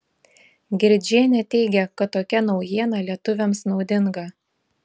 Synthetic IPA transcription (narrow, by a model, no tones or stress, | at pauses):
ɡʲɪɾʲd͡ʒʲiɛnʲɛt̪ʲɛɪɡʲɛkɐt̪ːoːkʲɛnɒʊjiɛnɐlʲiɛt̪ʊʋʲɛmsnɒʊd̪ʲɪŋɡɐ